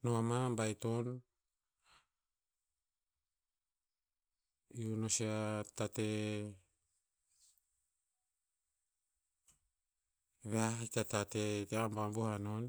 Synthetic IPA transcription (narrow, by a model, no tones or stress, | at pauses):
noamambajt̪on | iunosiat̪at̪e | βeait̪at̪at̪et̪eambambuhanon